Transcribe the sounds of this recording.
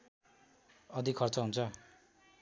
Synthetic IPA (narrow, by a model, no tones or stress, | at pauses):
ʌd̪ikʰʌrt͡sʌɦunt͡sʰʌ